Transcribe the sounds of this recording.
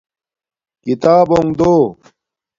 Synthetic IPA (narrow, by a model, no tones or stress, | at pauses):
kit̪aːboŋd̪oː